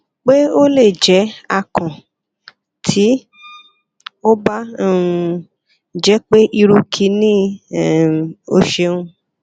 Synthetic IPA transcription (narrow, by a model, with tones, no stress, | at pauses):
k͡pe˦o˦le˦˨d͡ʒɛ˨˦a˧kʰã˨ | tʰi˨˦ | o˦ba˦˨˧ | d͡ʒɛ˨˦k͡pe˦ʔi˧ɾu˧kʰi˧˦nĩ˦˨ | o˧ʃe˧ũ˧